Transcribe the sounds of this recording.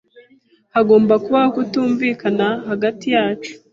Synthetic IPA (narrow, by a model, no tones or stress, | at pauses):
haɡo̞ːmbakuβahokutuːɱviːkanahaɡatijaːt͡ʃu̥